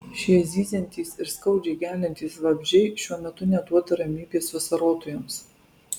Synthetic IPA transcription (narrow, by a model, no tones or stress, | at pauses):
ʃʲizʲiːzʲɛnʲt̪ʲiːsɪɾskɐʊd͡ʒʲɛɪɡʲæːlʲɛnʲt̪ʲiːsʋɐbʲʒʲɛɪʃʲuɔmʲɛt̪ʊnʲɛt̪uɔt̪ɐɾɐmʲiːbʲeːsʋɐsɐɾoːt̪oːjɛms